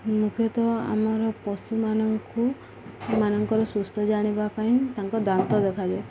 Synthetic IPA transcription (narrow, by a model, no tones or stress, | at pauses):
mukʰjɔt̪ɔa̰mɔɾɔpɔsumanɔŋku | manɔŋkɔɾɔsust̪ʰɔd͡ʒaɽ̃ibapaĩt̪aŋkɔd̪ant̪ɔd̪ekʰad͡ʒe